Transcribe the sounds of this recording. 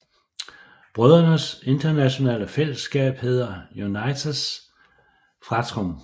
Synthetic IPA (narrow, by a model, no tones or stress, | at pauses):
b̥ʁœðˠɐnəse̝nd̥ɐnæɕo̝nɛ̰ːləfel̰əsɡ̥ɛ̰ːb̥he̝ð̞ˠɐjunɑ̈ɪt͡sʰs | fʁɑ̈t͡sʰʁɔm